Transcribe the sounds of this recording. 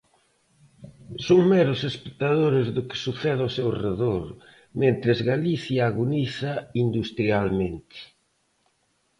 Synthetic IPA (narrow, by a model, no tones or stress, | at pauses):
soŋmɛɾʊsespe̥k̚t̪aðoɾɪzðʊkɪ̥suθɛðawsewreðoɾ | mẽnt̪ɾɪzɣaliθjaːɣuniθɐind̪ust̪ɾialment̪ɪ̥